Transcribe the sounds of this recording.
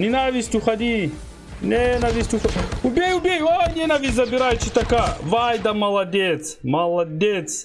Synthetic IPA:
nʲinavʲisʲtʲuxɐd̪ʲi | nʲɛnɐvʲisʲtʲuxubʲɛjubʲɛjonʲɛnɐvʲizɐbiɾajt͡ʃit̪ɐkavajd̪ɐmɐlˠɐd̪ʲɛt̪smɐlˠɐd̪ʲɛt̪s

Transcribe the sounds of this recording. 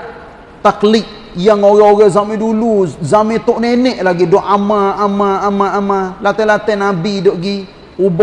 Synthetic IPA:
t̪aklik̚ | jaŋoɣɛoɣɛzamĩduluzamĩt̪oʔnenɛʔlaɡidɔʔamaːmaːmaamalat̪ɛlat̪ɛnabidɔʔɡi | ub

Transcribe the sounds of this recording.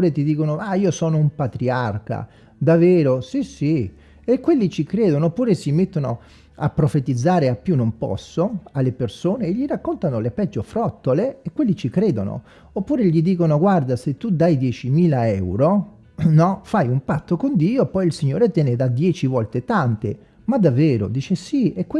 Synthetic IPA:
uːɾet̪id̪iːkonoaiːosɔːnoumpat̪ɾiarka̰ | d̪avːeːɾosisi | ekːwelːit͡ʃikɾeːd̪onoːpːuːɾesimet̪ːono̰ | a̰pːɾofet̪id̪zːaːɾeapːjunːompɔ̰sːoalːepersoːneːʎːiɾakːont̪anolepɛd͡ʒːofɾɔt̪ːoleːkwelːit͡ʃikɾeːd̪ono̰ | opːuːɾeʎid̪iːkonoɡward̪aset̪ːud̪ajd̪jɛt͡ʃimiːlaɛwɾo | nɔfajumpat̪ːokond̪iːopɔjilsiɲːoːɾet̪jɛːned̪ad̪jɛːt͡ʃivɔlt̪et̪ant̪ḛ | mad̪avːeːɾo̰d̪iːt͡ʃesiekː

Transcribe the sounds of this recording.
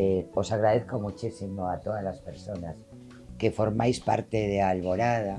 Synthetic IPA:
eo̞saɣɾaðe̞θko̞mut͡ʃisimo̞at̪o̞ðazlaspe̞ɾso̞nas | ke̞fo̞ɾmajspa̰ɾt̪e̞ðealβo̞ɾaða

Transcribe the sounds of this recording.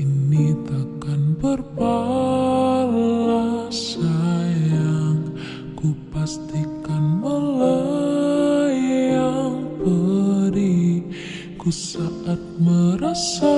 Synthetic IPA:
init̪akanbərpa | lasajaŋ | kupast̪ikanmələ | jaŋpəɾi | kusaat̪̚məɾəsa

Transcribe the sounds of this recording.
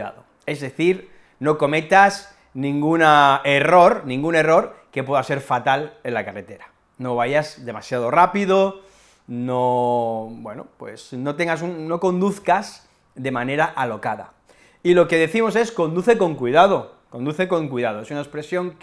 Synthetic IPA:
a̰ðo | e̞zðe̞θiɾ | no̞ko̞met̪as | nĩŋɡunaero̞ɾnĩŋɡune̞ro̞ɾke̞pwe̞ðase̞ɾfat̪ale̞lakare̞t̪e̞ɾa | no̞β̞aʝazðe̞masjað̞o̞rapiðo | no̞ | bwe̞no̰pwe̞̰sno̞t̪eŋɡasunːo̞ko̞nd̪uθkaz | ðe̞mãne̞ɾaʔalo̞kaða̰ | ilo̞ke̞ð̞e̞θimo̞se̞sko̞nd̪uθeko̞ŋkwiðað̞oko̞nd̪uθe̞ko̞ŋkwijðað̞oe̞sunaekspɾe̞sjo̞ŋk

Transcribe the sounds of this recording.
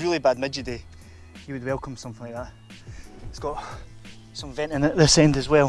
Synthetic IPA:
ɹilˠibad̚mɪd͡ʒəde | jəwəd̚wɛlˠkʰə̃msʌ̃mθɪ̃ŋlaɪk̚ʔ̚ðaʔ | ɪsɡ̥ɔʔ | sʌ̃ɱvɛ̃nʔɪ̃nəʔðɪsɛ̃ndəzwɛlˠ

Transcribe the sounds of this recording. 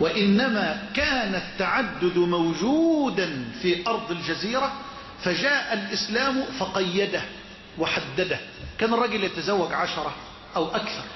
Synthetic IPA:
wɪʔɪnːæmaːkaːnat̪ːaʕad̪ːʊd̪mawd͡ʒuːd̪anfiːʔɑɾˤd̪ˤɪld͡ʒaziːɾæ | fad͡ʒaːʔalʔɪslaːmfɑqɑjːad̪a | wɪħad̪ːad̪ah | kæːnɪrˤːɑːɡɪljat̪azawːaɡʕaʃɑɾˤɑ | ʔawʔakθɑɾˤ

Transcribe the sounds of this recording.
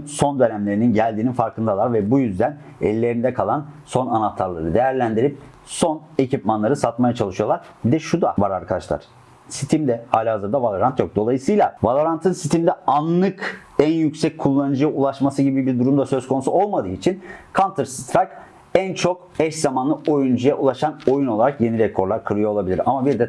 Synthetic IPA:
so̞nd̪ønæmlʲe̞ɾininɟælʲd̪iːninfaɾkʰɯnd̪alˠaɾvɛbujyzd̪æn | ɛlʲːe̞ɾind̪ɛkʰalˠanso̞nanat̪ʰaɾlˠaɾɯd̪e̞jæɾlʲænd̪iɾip̚ | so̞ne̞cʰipmanˠaɾɯsat̪majat͡ʃʰalˠɯʃɯjo̞lˠaɾ | bid̪ɛʃud̪avaɾaɾkʰad̪aʃlˠa̰ɾ̥ | sit̪ʰimd̪ɛhaːlʲihazɯɾd̪avalˠoɾant̪ʰjo̞k̚d̪o̞lˠajɯsɯjlˠavalˠoɾant̪ʰɯnsit̪ʰimd̪ɛanlˠɯk | ænjycsɛc̚kʰːulˠːanɯd͡ʒujaulˠaʃmasɯɟibibiɾd̪uɾumd̪asø̞zkʰonusuo̞lˠmad̪ɯːit͡ʃʰinkʰant̪ʰɯɾst̪ɾak | ænt͡ʃʰo̞k | ɛʃzamanˠɯʔo̞jund͡ʒujaʔulˠaʃano̞juno̞lˠaɾakje̞niɾɛkʰo̞ɾlˠaɾkʰɯɾɯjoolˠabilʲiɾamabiɾd̪ɛ

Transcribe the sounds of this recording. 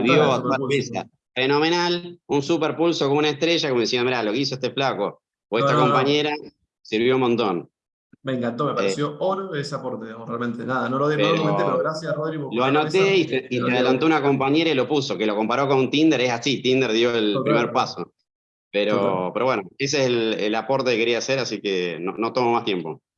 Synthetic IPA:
ðjjoat̪aesa̰ | feno̞menalunsupeɾpulso̞k̬omunaeht̪ɾeʒakomoisiend̪miɾalo̞keis̬oeht̪eflako | oet̪ako̞mpaɲe̞ɾa | siɾβjomont̪on | meŋkant̪omepaesjooɾoeseapoɾt̪eðiɣamorealmẽnt̪enaðanoloðepeɾoeeɾɣɾasjasroðɾiɣoloanot̪eiteit̪eaðelant̪o̞unako̞mpaɲe̞ɾailo̞puso̞ke̞loko̞mpaɾokonunt̪ind̪eɾesasit̪ind̪eɾðjo̞elpɾimeɾppaso | peɾopeɾoβwenoes̬eeselḛlapoɾt̪ekekeɾiaseɾasikeno̰not̪o̞momaht̪je̞mpo̞̰

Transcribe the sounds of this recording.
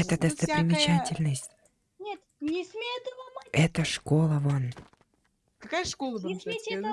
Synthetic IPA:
ɛt̪əd̪əst̪əpɾʲɪmʲɪt͡ɕatʲɪlʲnəsʲtʲ | nʲt̪ | nʲɪsmʲet̪ɛt̪əʂkolˠəvon | kɐkajəʂkolˠə

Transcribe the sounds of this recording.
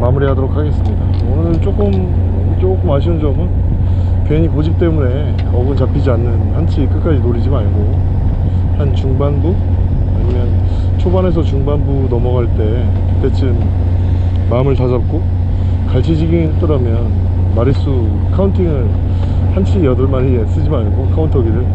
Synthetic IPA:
mamɯɾiɦadoɾokʰaɡe̞s͈ɯmɲida | onɯɭt͡ɕ͈ok͈ɯm | t͡ɕok͈ɯmaɕ̬ʰind͡ʑʌmɯn | keɲikod͡ʑip̚t͈e̞mune̞ | ʌɡɯnt͡ɕapʰid͡ʑianːɯnhant͡ɕʰik͈ɯk͈ad͡ʑinoɾid͡ʑimaɭɡo | hant͡ɕuŋbanbu | aɲimjʌn | t͡ɕʰobane̞s̬ʰʌt͡ɕuŋbanbunʌmʌɡaɭt͈e̞ | kɯt͈e̞t͡ɕɯmː | amɯɭtad͡ʑap̚k͈o | kaɭt͡ɕʰid͡ʑiɡiŋiet͈ʌɾamjʌn | maɾis͈u | kʰauntʰiŋɯɭ | hant͡ɕʰijʌdʌɭmaɾies͈ɯd͡ʑimaɭɡokʰauntʰʌɡiɾɯɭ

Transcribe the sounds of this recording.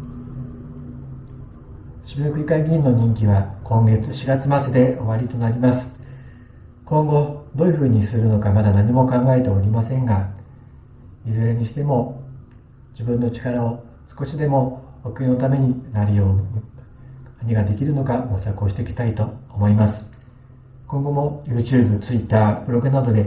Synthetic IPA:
ɕibʲiɯkɯ̟ikaiɡʲĩnːo̞ɲ̟ĩŋkʲiβakõ̞ŋɡe̞t͡sɨ̥ɕiɡat͡sɨmat͡sɨd̪e̞o̞̰βaɾʲit̪o̞naɾʲimasɨ̥ | kõ̞ŋɡo̞d̪o̞ːjɯ̟ɸɯ̟ːɲ̟isɨɾɯ̟no̞kamad̪anaɲ̟imo̞kãŋɡae̞t̪e̞oɾʲimasẽ̞ŋɡa | izɨɾeɲ̟iɕi̥t̪e̞mo̞ | d͡ʑibɯ̟̃nːo̞t͡ɕi̥kaɾao̞ | sɨ̥ko̞ɕid̪e̞mo̞ | okɯ̟inot̪ame̞ɲ̟inaɾʲijo̞ːn | naɲ̟iɡad̪e̞kʲiɾɯ̟no̞kaɡosako̞ːɕi̥t̪e̞ikʲi̥t̪ait̪o̞ːmo̞imasɨ̥ | kõ̞ŋɡo̞mo̞jɯːt͡ɕɨːbɯ̟t͡sɨit̪ːaːb̥ɯ̟ɾo̞ɡɯ̟nad̪o̞d̪e̞

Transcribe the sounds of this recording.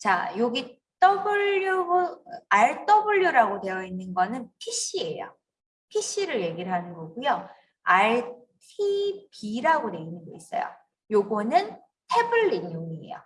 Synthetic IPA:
t͡ɕa̰joɡi | t͈ʌbɯɭo | aɭt͈ʌbɯɭːjuɾaɡote̞jʌinːɯnɡʌnɯnpʰiɕ͈ie̞jo̰ | pʰiɕ͈iɾɯɭje̞ɡiɭɦanɯnɡʌɡujo | aɭ | tʰibiɾaɡone̞inɯnɡʌis͈ʌ̰jo̰ | joɡonɯn | tʰe̞buɭːinjoŋiḛjo̰

